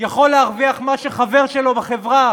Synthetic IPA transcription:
jaχo̞lːeaʁviaχmaʃeχaveʁʃelo̞beχevʁa

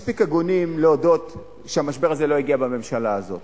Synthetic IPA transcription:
spikaɡonimleodo̞t̪ | ʃeamaʃbe̞ʁazelo̞iɡiabame̞mʃalaːzo̞̰t̪

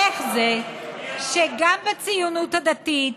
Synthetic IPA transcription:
eχzeʃeɡambat͡sijunuthad̪atit

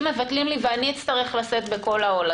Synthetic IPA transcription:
me̞vat̪limliveaniit͡st̪aʁe̞χlaset̪̚be̞ko̞laola

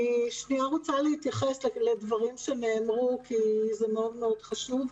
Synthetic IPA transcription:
ʃniaʁot͡salehit̪jaχeslledvaʁimʃe̞ne̞ːmʁukʰizemeo̞dme̞o̞d̥χaʃuv

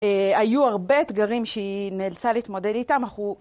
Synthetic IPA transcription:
eajuaʁbe̞ːt̪ɡaʁimʃeineːlt͡saliit̪mo̞de̞ditamaχu

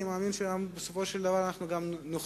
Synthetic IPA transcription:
maminʃeambesupoʃeld̪avaɾanaχnuɡamnoχ

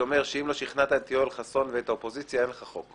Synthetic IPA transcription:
omeʁʃeimlo̞ʃiχnat̪at̪iolχaso̞nveet̪aopo̞zit͡sjaenleχaχo̞k

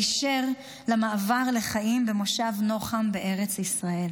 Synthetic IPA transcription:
ʃeʁ | lamaːvaʁle̞χajimbemo̞ʃavno̞χambeʔe̞ʁet͡sisʁae̞l

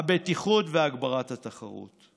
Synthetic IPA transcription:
abetiχutveaɡbaʁathataχa̰ʁṵt

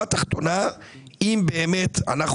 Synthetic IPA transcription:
at̪aχt̪o̞na | imbe̞ːme̞t̪a̰naχ

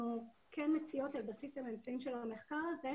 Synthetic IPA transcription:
u | kʰenmet͡sio̞talbasisamemt͡saimʃelameχkaʁaze

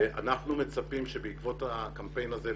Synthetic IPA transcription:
a̰naχnumet͡sapimʃebeikvo̞t̪akampe̞jnaze

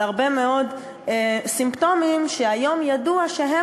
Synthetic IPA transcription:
aʁbe̞me̞o̞d | esimpto̞mimʃeajo̞mjaduaʃeɦe

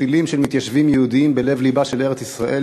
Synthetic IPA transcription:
ilimʃelmit̪jaʃvimjehud̪iimbe̞le̞vlibaʃe̞le̞ʁet͡sisʁaʔe̞

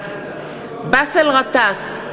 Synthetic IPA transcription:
basɛlʁat̪as

